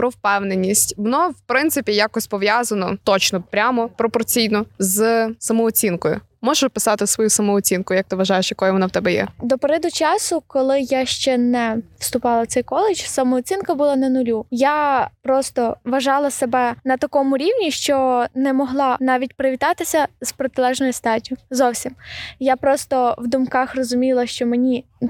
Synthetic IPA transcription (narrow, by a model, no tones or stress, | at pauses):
pɾɔwpɛwnenʲːisʲtʲʋɔnɔwpɾɪnt̪sɪpʲijakɔsʲpɔʋjazɐnɔt̪ɔt͡ʃnɔpɾʲamɔpɾɔpɔrt͡sʲijnɔzsɐmɔɔt͡sʲinkɔjʊ̰ | mɔʒɛpɪsɑt̪ɪsʋɔjusɐmɔːt͡sʲinkʊjɐk̚t̪ɪʋɐʒɑjeʃjɐkɔjʊʋɔnɔwt̪ɛbɛjɛ̰d̪ɔpeɾɛd̪ʊt͡ʃɑsʊkɔlˠɪjaʃt͡ʃɛnɛw̥st̪ʊpɑlˠɐw̪sɛjkɔlˠɪt͡ʃsɐmɔːt͡sʲinkɐbʊlˠɑnɐnʊlʲujapɾɔst̪ɔʋɐʒɑlˠɐsebɛnɐt̪ɐkɔmʊɾʲiwnʲiʃt͡ʃɔnɛmɔɦlˠɑnɑʋʲitʲpɾɪʋʲit̪ɑt̪ɪsʲɐzpɾɔt̪ɪlˠɛʒnɔjʊst̪ɑdʲijʊzɔwsʲimjapɾɔst̪ɔwd̪ʊmkɑxrɔzʊmʲilˠɐʃt͡ʃɔmenʲi